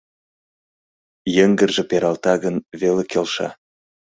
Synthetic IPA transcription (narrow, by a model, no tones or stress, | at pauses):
jə̆ŋɡə̆rʒĕpeɾɑlt̪ɑɣənβelekelʃɑ̰